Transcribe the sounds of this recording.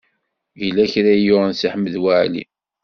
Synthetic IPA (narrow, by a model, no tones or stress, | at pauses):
jəlːæçɾæjʊnsiħmːəðwaʕlḭ